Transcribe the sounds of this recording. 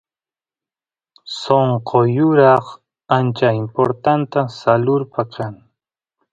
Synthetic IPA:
soɴqʰojʊɾɑχ | ant͡ʃaɪmpoɾt̪ant̪asalʊɾpakʰaŋ

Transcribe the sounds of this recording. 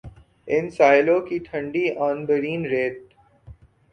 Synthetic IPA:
ɪnsaːɪlõkit̪ʰɐ̃ɳɖiʔɔ̃ːnbəɾĩːnɾeːʈ̪

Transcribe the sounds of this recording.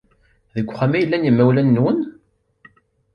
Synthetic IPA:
ðəkʷːχæmæjəlːænjəmːæwlænːwən

